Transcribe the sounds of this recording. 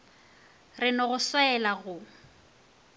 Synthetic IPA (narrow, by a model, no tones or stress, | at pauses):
rɪnɔɣʊswaɛlaɣʊ